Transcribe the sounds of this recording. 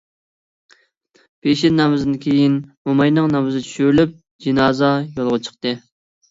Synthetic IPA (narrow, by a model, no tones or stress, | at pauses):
b̥eʃɪnnɑmɨzd̪ɨnkʲʰejinmomɑjnɨŋnɑmɨzɨt͡ʃʰy̥ʃyɾlyp̚ | d͡ʒinɑːzɑjolˠʁɑt͡ʃʰə̥qt̪ɨ